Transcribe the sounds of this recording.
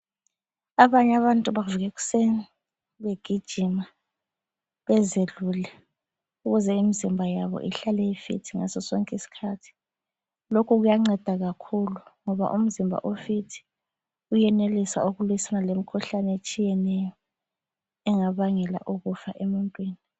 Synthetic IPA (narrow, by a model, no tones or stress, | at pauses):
aβaɲaβantʼuβaviɣɛɣu̥seni | βeɡ̥ʱid̥ʒ̥ʱima | βɛzelulɛ | uɣuzɛimizimbʱajaβɔ̰ʔiɬalɛifḭtʰiŋa̰sɔsɔŋkʼisi̥kʰatʰi̥ | lokʰuɣujaŋ͡ǀɛd̥ʱaɣakʰuluŋɔβa̰ʔum̩zimbʱa̰ʔofitʰi̥ | ujɛnelisa̰oɣuluisanalemikʰuɬanet͡ʃʼijɛnɛjɔ | ɛŋaβaŋɛla̰ʔuɣufaʔemuntʼwiːni